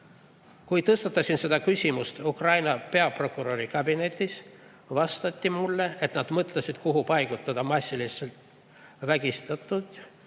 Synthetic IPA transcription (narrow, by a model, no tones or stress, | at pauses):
kujt̪ɤst̪ɑt̪ːˑɑsinse̞d̪ɑkysʲimust̪ukrɑjnɑpe̞ɑpro̞kuɾo̞ɾikɑbine̞t̪ʲːˑis | vɑst̪ɑt̪ʲːimulːe̞et̪nɑd̪̥mɤt̪ˑlɑsʲid̪̥kuɦupɑjɡ̥ut̪ːˑɑd̪ɑmɑsʲːiliselt̪ | væɡ̥ist̪ɑt̪ːˑud̪̥